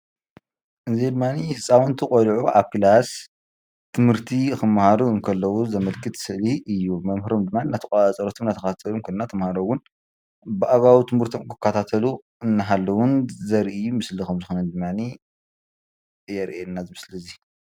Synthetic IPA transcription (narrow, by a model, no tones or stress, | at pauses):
ʔɨzid̪ɨmːanihɨsʼawunt̪ʰɨkʼolʕuʔaβkɨlas | t̪ʰɨmhɨɾt̪ʰixɨmːhaɾuɨŋkʰɐlːɐwuzɐmɐlkʰɨt̪sɨʔliʔɨjːumɐmhɾomd̪ɨmːaninːat̪ʰɐkʼat͡sʼɐɾot̪ʰomnːat̪ʰɐkʰt̪ʰat̪ʰɐlunkʰunnːat̪ʰɐmhaɾowʊn | bɨʔaɡawit̪ʰɨmɨɾt̪ʰomkʰɨkʰːat̪ʰat̪ʰɐlu | ɨnːaɦalːɐwʊnzɐɾʔɨjːumɨslikɐmzɨxonɐnd̪ɨmːani | jɛɾʔenːazɨmɨslizi